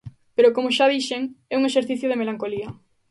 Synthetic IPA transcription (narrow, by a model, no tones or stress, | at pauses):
peɾokomʊʃaðiʃeŋɛuŋeʃeɾθiθjʊðemelaŋkoliɐ